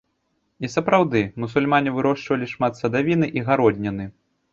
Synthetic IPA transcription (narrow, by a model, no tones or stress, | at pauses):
isɐpɾawd̪ɨmusulʲmanʲivɨɾɔʂt͡ʂvɐlʲiʂmat̪sɐd̪avʲinɨʔiɣaɾɔd̪ʲnʲɐnɨ